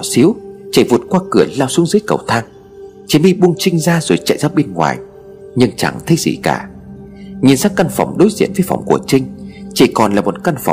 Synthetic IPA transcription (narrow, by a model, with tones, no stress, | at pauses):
si˨˦əwt͡ɕi˧˩vu˨˩ət̚kwaː˧kɨ˧˩əlaː˧wsu˨˦əŋzɨː˨˦jkə̰˨˧˩wt̪ʰaː˧ŋ | t͡ɕi˨˧˩mɓi˧ɓu˧əŋt͡ɕï˧ŋ̟zaː˧zo˨˩jt͡ɕa̰˧˨jzaː˦˧˥ɓe˧nŋwa̰ː˨˩j | ɲɨ˧ŋt͡ɕa̰˧˩ŋt̪ʰə˧jzḭ˧˩ka̰ː˧˩ | ɲi˨˧˩ənsa˦˥kkːa˧nfa˧˩wŋ͡mɗo˨˦jzḭ˧˨ənvəː˨˦jfa̰˧˩wŋ͡mku˧˩ət͡ɕï˧ŋ̟t͡ɕi˧˩kɔ˨˩nlaː˨˩mo˨˩t̚ka˧nfa̰˧˩wŋ͡m